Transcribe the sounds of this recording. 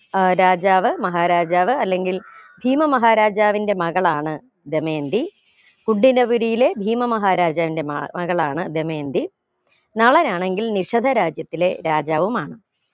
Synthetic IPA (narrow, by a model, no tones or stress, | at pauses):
ɾaːd͡ʑaːʋɨmɐɦaːɾaːd͡ʑaːʋɨɐlːe̞ŋɡilbʱiːmɐmɐɦaːɾaːd͡ʑaːʋinde̞mɐɣɐɭaːɳɨ | d̪eme̞ːnd̪i | kuɳɖinɐʋuɾijile̞bʱiːmɐmɐɦaːɾaːd͡ʑaːʋinde̞mmɐɣɐɭaːɳɨd̪eme̞ːnd̪i | nɐɭɐnaːɳe̞ŋɡilniʂɐd̪ʱɐɾaːd͡ʑjɐt̪ːile̞ɾaːd͡ʑaːʋumaːɳɨ